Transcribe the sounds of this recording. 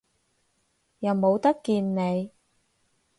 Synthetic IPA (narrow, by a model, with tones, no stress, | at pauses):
jɐ˨˩wmo˨˧wt̪ɐ˥kːiː˧nne˨˧j